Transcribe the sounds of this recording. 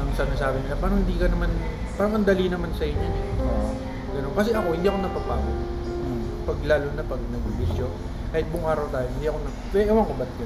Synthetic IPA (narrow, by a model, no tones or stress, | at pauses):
ʔɐŋsɐnasaːbɪnɪlapaːɾɐŋhɪnd̪iːkɐnɐman | paːɾɐŋʔɐnd̪ɐlinɐmansɐʔɪɲonoʔo | ɡɐnonkɐs̬ɛʔɐko̞hɪnd̪iːɐko̞nɐpɐpaːbo | pɐɡlaːlonɐpɐɡ̚nɐɡ̚bɪbɪsjo | kaːhɪt̪̚bʊŋʔaːɾɐwt̪aːjonhɪnd̪iːɐkonɐ | bɛʔɛwɐŋkobɐt̪jɐ